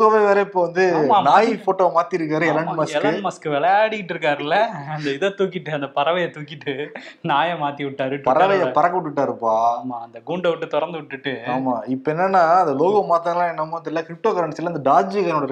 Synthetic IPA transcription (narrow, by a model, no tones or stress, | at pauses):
ɣɐʋeʋeːɾɐɪpːoːʋɐnd̪ɯmanaːjifoːʈːoːmaːt̪iɪɾɯk̬ːaːɾɯɛlɐɳmɐsɛlkɐɳmɐskɯʋɛɭɐjaːɽɪkɪʈːɯɾɯk̬ːaːɾɯlːɐɐnd̪ɐɪðɐt̪uːkːɪʈːɯɐnd̪ɐpɐɾɐʋɐjɐt̪uːkːɪʈːɯnaːjɐmaːt̪ːiʋɪʈːaːɾɯʈːpɐɾɐʋɐjɐpɐɾɐkːɐʋɪʈːɯʈːaːɾɯpːaːmaːɐnd̪ɐɡuɳɖɐʋɪʈːɯt̪ɔɾɐnd̪ɯʋɪʈːɯʈːɯaːmaːɪpːɐɛnːɐnːaːɐnd̪ɐloːɣɐmaːt̪ːɐɐlãːɛnːɐmːaːnɪlːɐkɪɾɪp̚ʈoːkɐɾɐɳʈsɪlːɐnd̪ɐɖaːd͡ʒikɐnoɽɐɾ